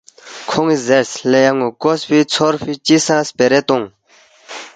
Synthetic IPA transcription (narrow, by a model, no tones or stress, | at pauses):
kʰoŋizɛrslejaŋokospit͡sʰorɸit͡ɕisãspeɾɛt̪oŋ